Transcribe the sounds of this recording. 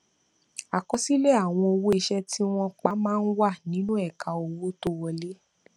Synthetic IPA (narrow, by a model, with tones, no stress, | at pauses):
a˨kɔ˧si˦le˦a˦˨w̃ɔ̃˧o˧wo˦e˧˨ʃɛ˦ti˦w̃ɔ̃˦k͡pa˦mãː˦˧˦n̩˦wa˦˨nĩ˨˦nũ˦ɛ˦˨ka˨o˨wo˦to˦wɔ˧le˦